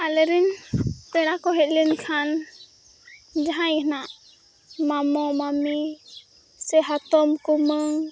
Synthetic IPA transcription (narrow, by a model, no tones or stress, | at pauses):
alɛɾinpɛɽ̃akɔɦɛc̪̚lɛnkʰan | d͡ʒaɦãjɡanaʔ | mamɔmami | sɛɦat̪ɔmkuməŋ